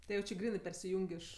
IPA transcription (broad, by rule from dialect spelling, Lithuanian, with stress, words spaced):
tʲɪ ˈjɛʊ ˈt͡ʃʲɪ ˈɡrʲiːnɜ pʲɛrʲsʲɪˈjʊŋʲkʲ ˈɪʃ